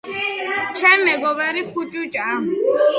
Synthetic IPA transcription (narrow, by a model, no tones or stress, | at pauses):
t͡ʃʰɛmːɛɡɔbɛɾiχut͡ʃʼut͡ʃʼam